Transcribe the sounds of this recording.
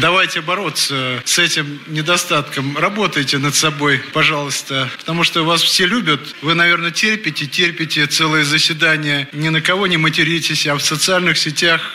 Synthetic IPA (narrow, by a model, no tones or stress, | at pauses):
d̪ɐvajtʲɪbɐɾo̞t̪səsɛtʲɪmnʲɪd̪ɐst̪at̪kəmrɐbo̞t̪əjtʲɪnət̪sɐbo̞jpɐʐɑlˠəst̪əpə̥t̪ɐmuʂt̪ovasfsʲelʲubʲət̪ | vɨnɐvʲe̞rnətʲerʲpʲɪtʲɪtʲerʲpʲɪtʲɪt̪sɛlˠɨjəzəsʲvʲɪd̪anʲɪjənʲɪnəkɐvo̞nʲɪmətʲɪɾʲitʲɪsʲɐfsət̪sɨalʲnɨxsʲɪtʲax